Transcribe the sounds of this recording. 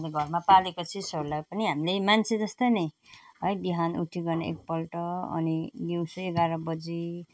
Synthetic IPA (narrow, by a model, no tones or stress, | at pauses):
leɡʱʌrmapalekot͡sʰisʌɾulajpʌniɦamilemant͡sʰed͡zʌst̪ʌjnʌ | ɦʌjbiɦanuʈʰiɡʌrneḛk̚pʌlʈʌʌ̰niɡiwsoeɡaɾʌbʌd͡zi